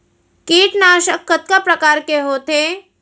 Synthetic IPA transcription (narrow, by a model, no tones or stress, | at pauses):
keːʈnaːʃəkːət̪̚kapɾɐkaːɾkeɦoːt̪eː